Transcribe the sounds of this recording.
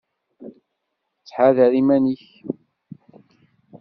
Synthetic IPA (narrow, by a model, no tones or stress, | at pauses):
t͡sːħaðəɾimæniç